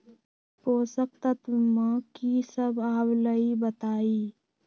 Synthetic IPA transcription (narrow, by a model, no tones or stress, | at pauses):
poːsək̚t̪at̪ʊmãkisəbaːbləibət̪aːiː